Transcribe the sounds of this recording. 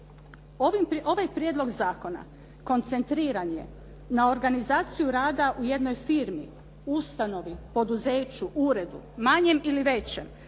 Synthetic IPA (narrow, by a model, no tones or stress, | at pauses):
oimoʋajpɾjeːd̪lˠo̞ɡzaːko̞na̰ | ko̞nt̪se̞nt̪ɾiːɾanje̞̰ | nao̞ɾɡanizaːt̪sijuɾaːd̪aʔuje̞d̪no̞jfiɾmḭ | ust̪ano̞ʋipo̞d̪uzeːt͡ɕuʔuɾe̞d̪ṵmaɲe̞miliʋe̞t͡ɕe̞m